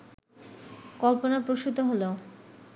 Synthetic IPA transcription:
kɔlponaɾpɾoʃut̪oɦolo

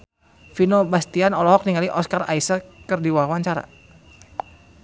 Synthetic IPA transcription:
finobast̪ianɔlɔɦɔk̚niŋaliʔɔskara̰isakərdiwaɦwaɲt͡ʃaɾa̰

